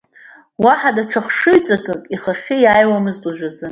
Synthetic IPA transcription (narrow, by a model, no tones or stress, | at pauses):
waħadaʈ͡ʂʰaχʂɨɥt͡sʼakʼɨkʼiχaχʲɪjajwamɨztʼaʒᶣʷazɨ